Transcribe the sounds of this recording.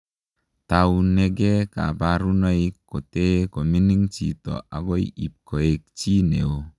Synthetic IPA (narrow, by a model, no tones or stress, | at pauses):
t̪aunːeɡeka̰baɾunaikːot̪ekominiŋt͡ʃit̪ɔ̰ʔa̰ɡoḭip̚koek̚t͡ʃineo